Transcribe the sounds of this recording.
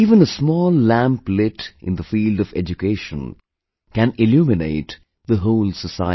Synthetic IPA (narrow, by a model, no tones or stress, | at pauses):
iːvə̃nəsmɔːlːæ̃mplɪʈʔɪ̰̃nd̪əfiːldɔvɛ̰d͡ʒukeɪʃə̰̃n | kæ̃nɪljuːmɪneɪt | ðəɦoʊlsəsaɪ